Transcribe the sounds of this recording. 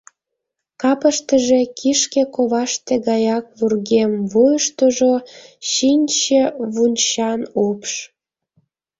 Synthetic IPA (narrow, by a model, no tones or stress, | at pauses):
kɑpəʃt̪əʒekʰiʃkekoβɑʃt̪eɣɑjɑk̚βurɣemvujəʃt̪oʒoɕinʲt͡ɕeβunʲt͡ɕɑnopʃ